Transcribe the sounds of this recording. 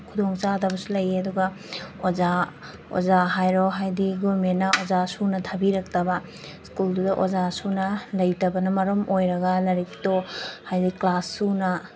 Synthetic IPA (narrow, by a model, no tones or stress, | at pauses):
kʰudoŋt͡ʃadɐbɐsulɐjeɐduɡɐ | oza | o̰zaɦajɾɔɦajdiɡomennːɐozasunɐtʰɐbiɾɐk̚tɐbɐ | skuldudɐʔozasunɐlɐjtɐbɐnɐmɐɾɐmojɾɐɡɐlɐɾiktohajdiklasːunɐ